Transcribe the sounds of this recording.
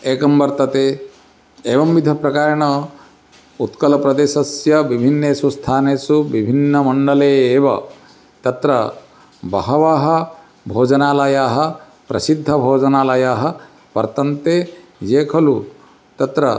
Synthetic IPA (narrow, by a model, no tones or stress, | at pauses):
eːkɐmbɐɾt̪ɐt̪e | eːʋɐmʋid̪ʱɐpɾɐkaːɾɐɳɐ | ut̪kɐlɐpɾɐd̪eːʃɐsjɐʋibʱinːeːsust̪ʰaːneːsuʋibʱinːɐmɐɳɖɐleːeːʋɐ | t̪ɐt̪ɾɐ | bɐɦɐʋaːɦɐ̆ | bʱoːd͡ʒɐnaːlɐjaːɦɐ | pɾɐsid̪ʱːɐbʱoːd͡ʒɐnaːlɐjaːɦɐ̆ | pɐ̰ɾt̪ɐnt̪e | d͡ʒeːkʰɐlu | t̪ɐt̪ɾɐ